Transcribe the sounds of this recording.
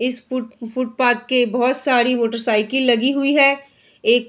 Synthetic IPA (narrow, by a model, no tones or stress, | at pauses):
ɪsfʊfʊʈ̚paːt̪̚kebɐɦɔt̪saːɾimoːʈəɾsaːɪkɪlːɐɡiɦʊiɦɛ | eːk